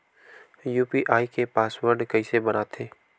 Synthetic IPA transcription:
juːpiʔaːikepaːswəɾɖkɐisebɐnaːt̪ʰeː

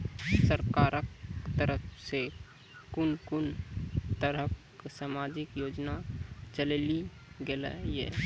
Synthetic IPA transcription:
səɾkaːɾəkt̪əɾəpʰse | kʊnkʊnt̪əɾək | saːmaːd͡ʒɪkjoːd͡ʒnat͡ʃəleli | ɡelə̰jḛ

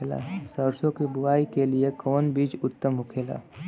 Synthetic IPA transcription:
eːla̰ːsəɾsõkibʊʋaːikeliekɔːnbiːd͡ʒʊt̪ːəmɦʊkʰeːla̰ː

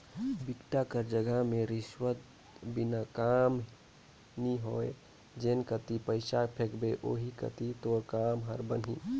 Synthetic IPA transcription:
bikʈakəɾd͡ʒəɡəɦmẽɾɪswət̪ | binakam | niɦoe | d͡ʒenkət̪ipəɪsapʰekbeʔoːɦikə̰t̪it̪oɾkaːmɦəɾbənɦḭ

